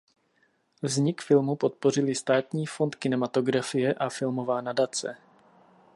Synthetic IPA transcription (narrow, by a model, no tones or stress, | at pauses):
vzɲɪkfɪlmupo̞t̪̚po̞r̝ɪlɪst̪aːt̪ɲiːfo̞nt̪kɪnɛmat̪o̞ɡɾafɪjɛʔafɪlmo̞vaːnadat͡sɛ̰